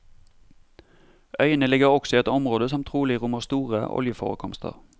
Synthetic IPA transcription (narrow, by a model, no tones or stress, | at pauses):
ʔœʏənəlɪɡəʁɔksɔiːɛt̪ɔmʁoːd̪əsɔmt̪ʰʁuːlɪʁʊməʁst̪uːʁəʔɔ̰ljəfo̰ːʁəkʰɔmst̪ʰə̰ʁ